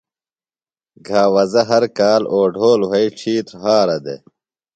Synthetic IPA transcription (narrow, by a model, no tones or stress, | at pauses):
ɡʱaːwɐzɐɦɐɾkaːloːɖʱoːlwɐiʈ͡ʂʰiːt̪ɦaːɾɐd̪ḛ